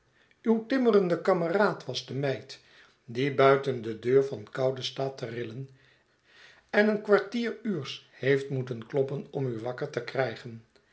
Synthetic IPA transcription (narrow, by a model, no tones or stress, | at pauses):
ywtɪmərəndəkɑməraːtʋɑzdəmɛjt | dibœɥtəndədøːɹvɑnkɑwdəstaːtərɪlən | ɛnənkʋaɹtiːɹyːɹshejftmutənklɔpənɔmyʋɑkəɹtəkrɛjχən